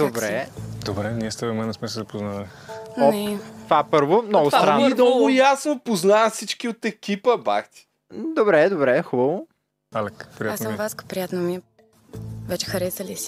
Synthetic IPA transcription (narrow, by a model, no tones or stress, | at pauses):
d̪obɾɛd̪obɾɛniɛst̪vɛmɛnɛsmɛsɛzɐpoznali | ɔɛt̪vapəɾvomnɔɡʊst̪ɾanːd̪ɔlˠɡʊjasnopoznaəsit͡ʃkiot̪ɛkʲipəba̰kt̪ʲi̥ | d̪obɾɛd̪obɾɛxubəvʊ | alɛkpɾiaasvaskə̥pɾijat̪nomiɛ | vɛt͡ʃɛ̥xɐɾɛsəlis